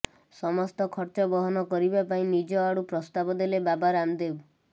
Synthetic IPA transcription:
sɔmɔst̪ɔkʰɔɾt͡ʃɔbɔɦɔnɔkɔɾibapaĩnid͡ʒɔaɽupɾɔst̪abɔd̪elebabaɾamd̪ebu

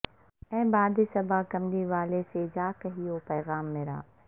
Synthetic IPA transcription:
ɛ̃ːbaːd̪isɐbakɐmliʋaːlesed͡ʒaːkɐɦijopɛːɣaːmːeɾa̰ː

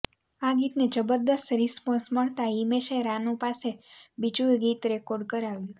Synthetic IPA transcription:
aɡit̪ned͡ʒəbəɾd̪əst̪ɾispɔ̃nsməɭt̪aimeʃeɾanũpasebit͡ʃujɡit̪ɾɛkoɾɖkəɾaʋjũ

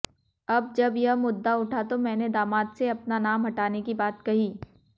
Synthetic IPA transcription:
ɐb̚d͡ʒɐbjɐɦmʊd̪ːaʊʈʰat̪omɛ̃ːned̪aːmaːt̪seɐpnanaːmɦɐʈaːnekibaːt̪kɐɦiː

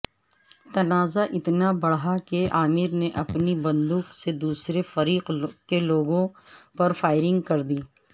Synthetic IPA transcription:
t̪ɐnaːzaʔɪt̪nabɐɽɦakeaːmɪɾneʔɐpnibɐ̃nd̪uːksed̪uːsɾefɐɾiːqkeloːɡõpɐɾfaːɪɾɪ̃ŋɡkɐɾd̪iː

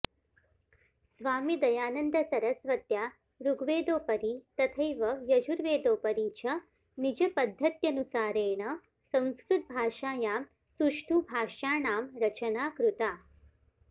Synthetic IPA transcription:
sʋaːmid̪ɐjaːnɐnd̪ɐsɐɾɐsʋɐt̪jaː | ɾuɡʋeːd̪oːpɐɾit̪ɐt̪ʰɐjʋɐjɐd͡ʒuɾʋeːd̪oːpɐɾiːt͡ʃɐ | nid͡ʒɐpɐd̪ʱːɐt̪jɐnusaːɾeːɳɐ | sɐ̃w̃skɾut̪̚bʱaːʂaːjaːm | suʂʈʰubʱaːʂaːɳaːmɾɐt͡ʃɐnaːkɾut̪aː

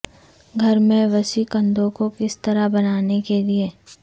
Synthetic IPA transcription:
ɡʱɐɾmẽʋɐsikɐ̃nd̪õkokɪst̪ɐɾabɐnaːnekelieː

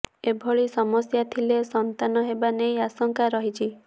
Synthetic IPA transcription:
ebʱɔɭisɔmɔsjat̪ʰilesɔnt̪anɔɦebanejasɔŋkaɾɔɦit͡ʃʰi

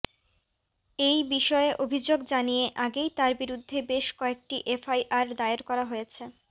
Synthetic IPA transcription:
ejbiʃɔeʔobʱid͡ʑoɡd͡ʑanijeʔaɡejt̪aɾbiɾud̪ʱːebeʃkɔek̚ʈiʔefajʔaɾd̪aeeɾkɔɾaɦojet͡ɕʰe

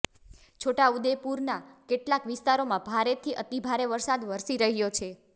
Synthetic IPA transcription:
t͡ʃʰoʈaud̪epuɾnakeʈlakʋɪst̪aɾomãbʱaɾet̪ʰiʔət̪ibʱaɾeʋəɾsad̪ʋəɾsiɾəɦjot͡ʃʰe

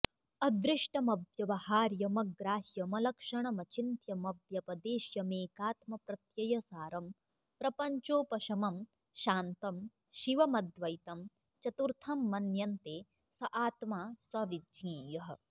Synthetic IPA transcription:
ɐd̪ɾɪʂʈɐmɐbjɐʋɐhaːɾjɐmɐɡɾaːɦjɐmɐlɐkʂɐɳɐmɐt͡ʃint̪jɐmɐbjɐpɐd̪eːʃjɐmeːkaːt̪mɐpɾɐt̪jɐjɐsaːɾɐm | pɾɐpɐɲt͡ʃoːpɐʃɐmɐm | ʃaːnt̪ɐm | ʃiʋɐmɐd̪ʋɐjt̪ɐm | t͡ʃɐt̪uɾt̪ʰɐmːɐnjɐnt̪eː | sɐʔaːt̪maːswɐʋidĩːjɐɦɐ̆

